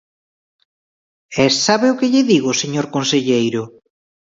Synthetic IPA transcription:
esːaβeʊkɪʎɪðiɣ̞oseɲoɾkonseʎejɾʊ

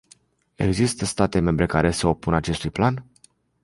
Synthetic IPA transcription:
e̞̰ɡzist̪əst̪at̪e̞me̞mbɾe̞kaɾe̞seo̞punat͡ʃe̞st̪ujplan

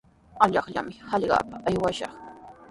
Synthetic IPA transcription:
aʎɑχʎa̰mɪhɑʎɢɑ̰ːpaajwaʃɑχ

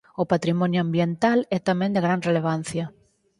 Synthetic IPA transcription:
opat̪ɾimɔ̃njoãmbjent̪alɛt̪amẽnd̪eɣɾanreleβ̞an̟θjɐ

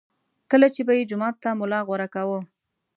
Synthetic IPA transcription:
kəlat͡ʃebajed͡ʒʊmɑt̪ːamʊlɑɣaɾakawə

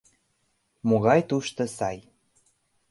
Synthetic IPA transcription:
moɣɑjt̪uʃt̪ɤ̆sɑj

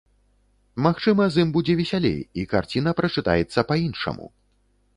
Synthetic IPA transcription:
maxt͡ʂɨmɐzɨmbud͡zʲɛvʲɛsʲalʲḛjika̰rt͡sʲin̪ɐpɾɐt͡ʂɨt̪a̰jɛt̪sːɐpainʂɐ̰mṵ

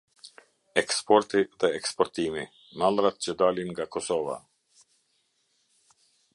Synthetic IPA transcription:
ɛkspɔɾt̪iðɛɛkspɔɾt̪imi | malˠɾat̪̚t͡ɕəd̪alinŋɡakɔsɔva̰

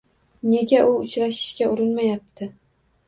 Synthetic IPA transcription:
ne̞ɡʲaʔʊʊt͡ʃɾaʃɪ̥ʃkʲaʊɾɪnmajap̚t̪ʰɪ

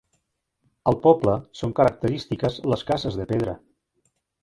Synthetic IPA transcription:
əlˠpɔbləsoŋkəɾək̚t̪əɾist̪ikəzləskazəzðəpeðɾə̰

